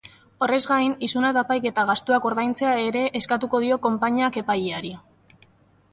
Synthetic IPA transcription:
o̞re̞zɣajnisunat̪apajke̞t̪aɣast̪uako̞ɾðajnt͡se̞ae̞ɾe̞ʔːskat̪uko̞ð̞io̞ko̞mpaɲake̞pajiaɾi

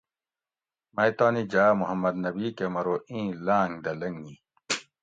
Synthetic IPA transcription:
mɐjt̪aːnid͡ʑaːmuhɐmːɐd̪nɐbikemɐɾoːĩːlãːŋd̪ɐlɐŋi

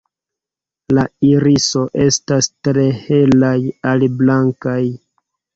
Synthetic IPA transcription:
laiɾiso̞ʔe̞stastɾe̞he̞lajaliblaŋkaj

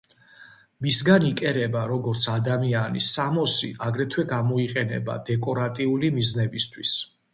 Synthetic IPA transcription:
misɡanikʼɛɾɛbaɾɔɡɔɾt̪sʰad̪amianḭsamɔsiʔaɡɾɛt̪ʰwɛɡamɔiqʼɛnɛ̰ba̰d̪ɛkʼɔɾat̪ʼiulimiznɛbist̪ʰwis

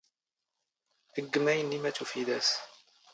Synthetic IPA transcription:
əɡːəmæjənlimæt̪ufiðæs

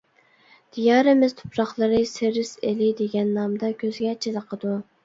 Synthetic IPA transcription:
d̪̥ijɑːɾɨmɪz̥t̪ʰu̥pɾɑχlˠɨɾɨsɪɾɪselɪd̪eɡʲɛnːɑmd̪ɑkʲʰøzɡʲɛt͡ʃʰezəqʰəd̪u

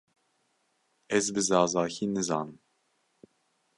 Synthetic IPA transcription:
ɛzbɨzɑːzɑːçiːnɨzɑːnɨm

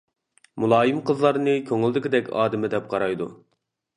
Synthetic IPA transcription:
mulˠɑːjimqʰəzlˠɑɾnɨkʲʰøŋɪlˠd̪ɪkʲid̪ɛkʲɑ̰ːd̪ɪmɪd̪ɛp̚qʰɑɾɑjd̪ṵ

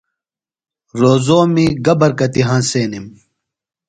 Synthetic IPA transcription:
ɾoːzoːmiɡɐbɐɾkɐt̪iɦãːnseːnim

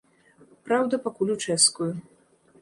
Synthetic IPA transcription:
pɾawd̪ɐpakulʲut͡ʂɛskuju

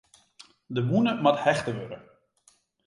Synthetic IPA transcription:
dəmunəmathɛχtəʋøɾə̰

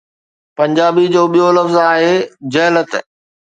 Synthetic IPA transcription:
pɐ̃ɲd͡ʑaːbid͡ʑoːɓijolɐfzaːɦed͡ʑɐɦlət̪

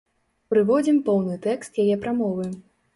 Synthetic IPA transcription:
pɾɨvɔd͡zʲimpɔwnɨt̪ɛkst̪jajɛpɾamɔvɨ

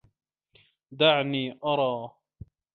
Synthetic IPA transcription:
d̪aʕniːʔɑɾˤɑː

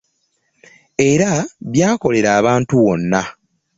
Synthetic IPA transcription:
e̞ɾaβjaːko̞le̞ɾaːβaːntuwo̞nːa

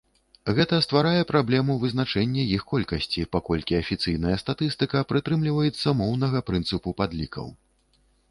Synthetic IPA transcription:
ɣɛt̪ɐst̪vaɾajɛpɾablʲɛmuvɨznat͡ʂɛnʲːɛjixkɔlʲkɐsʲt͡sʲipakɔlʲkʲiɐfʲit̪sɨjnɐjɐst̪at̪ɨst̪ɨkɐpɾɨt̪ɾɨmlʲivɐjɛt̪sːɐmɔwnɐɣɐpɾɨnt̪sɨpupad̪lʲikʰɐ̰w

